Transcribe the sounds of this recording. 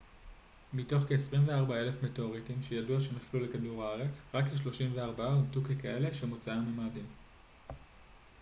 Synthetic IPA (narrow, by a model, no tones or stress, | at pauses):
mito̞χkeesʁimveaʁbae̞le̞fmeteoʁitimʃejaduaʃe̞naflule̞kaduʁaaʁe̞t͡sʁakːeʃ̬lo̞ʃimveaʁbaaumtukekae̞le̞ʃemot͡saamemaːdim